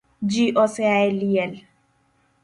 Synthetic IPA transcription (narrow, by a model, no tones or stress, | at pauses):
d͡ʒiʔɔsɛaɛliɛl